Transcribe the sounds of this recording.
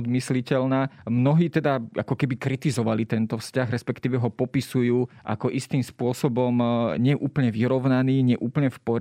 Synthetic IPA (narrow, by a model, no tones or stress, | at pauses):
d̪mislicɛlnaːmnɔɦiːt̪ɛd̪aa̰kɔkɛbikɾit̪izɔʋalit̪ɛnt̪ɔfscaɣɾɛspɛkt̪iːʋɛɦɔpɔpisujuːʔa̰kɔʔist̪iːmspʊɔsɔbɔmɲɪɛʔuːpl̩ɲɛʋiɾɔʊnaniːɲɪɛʔuːpl̩ɲɛfpɔɾ